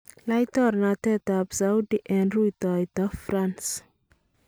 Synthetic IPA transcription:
lajt̪ɔɾnat̪ɛt̪apsawdiʔɛnrujt̪ɔjt̪ɔfɾans

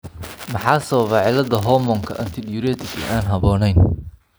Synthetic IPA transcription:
mɑħɑːsɐβɐβɑʕɪlɐðɐɦɔmɔːŋkʰɐʔɐnt̪ʰɪdjuɾɛt̪ɪkɪ̰ʔaːnɦɐβɔːnɛjn

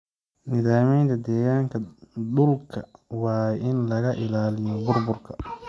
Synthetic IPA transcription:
nɪðaːmɛjnt̪ʰɐd̪ɛːɣaːŋkʰɐdʊlkʰɐwɑːɪnlɐɣɐʔɪlaːlɪjɔbʊrbʊrkʰɐ

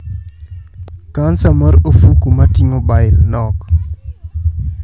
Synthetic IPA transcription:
kansaməɾəfukumatiɲobajɾnɔk

